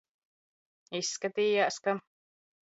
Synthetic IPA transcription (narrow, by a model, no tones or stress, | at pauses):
isːkat̪iːjaːska